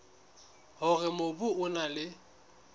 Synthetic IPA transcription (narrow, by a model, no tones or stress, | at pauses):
hʊrɪmobuʊnalɪ